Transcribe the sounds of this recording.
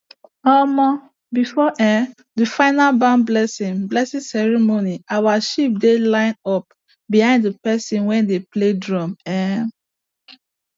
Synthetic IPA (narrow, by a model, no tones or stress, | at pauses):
ɔmɔ̃ | bifɔʔɛ̃ | dəfaɪnalbãnblɛsĩŋblɛsĩsɛɹimoniawaʃip̚delãɪ̃nɔp̚ | bihãɪ̃nddəpɛsĩnwɛ̃ndepledɹɔ̃mɛ̃